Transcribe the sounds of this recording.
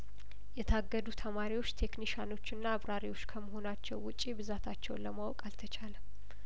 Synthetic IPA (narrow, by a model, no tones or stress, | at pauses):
jɛt̪ʰaɡːəd̪ut̪ʰəmaɾiwo̞t͡ʃːt̪ʰe̞kniʃano̞t͡ʃːɨnːaːβɾaɾiwo̞t͡ʃːkʰəməho̞nat͡ʃːɛwːʊt͡ʃʼːibɨzat̪ʰat͡ʃːɛwnləmawɔkʼalt̪ʰət͡ʃʰalə